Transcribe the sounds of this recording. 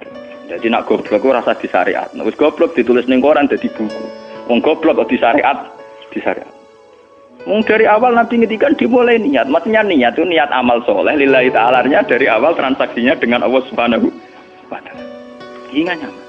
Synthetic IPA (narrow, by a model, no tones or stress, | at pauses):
d͡ʒ̥ad̪̥ina̰ʔɡ̥ɔ̤b̥lɔkuɾasad̪̥i̤sa̰ɾḛʔa̰t̪̚n̰wɪsɡ̥ɔb̥lɔk̚d̪̥i̤t̪ulɪsnɪŋkoɾand̪̥a̤d̪̥ib̥ukuwɔŋɡ̥ɔb̥lɔkd̪̥i̤saɾeʔat̪̚d̪̥i̤sa̰ɾḛʔa̰t̪̚ | mɔŋd̪̥a̤ɾiawalnampiŋit̪ikand̪̥i̤mulainiɲat̪̚masiɲaniɲat̪̚kuniɲat̪̚a̰malsɔlɛhlilait̪aalarɲad̪̥a̤ɾiʔawalt̪ɾansaksiɲad̥əŋanʔɔwɔsu̥banaɦu | pat̪ḁr | iŋaɲa